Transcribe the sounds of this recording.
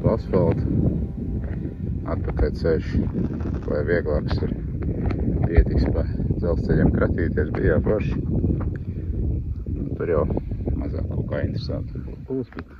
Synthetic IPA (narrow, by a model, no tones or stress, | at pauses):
palsfalˠt̪ | a̰t̪̚pakajt̪sɛʃ | la̰jʋiɛɡlˠɑːksiɾ | piɛt̪ikspad̪zɛlˠst̪sɛʎʲiɛmkɾʔat̪ʲiːt̪iɛsbḭjaːpɾɔʃ | nut̪uɾjawmaza̰ːkːɔːkaːint̪ɾsant̪buːsbɛt̪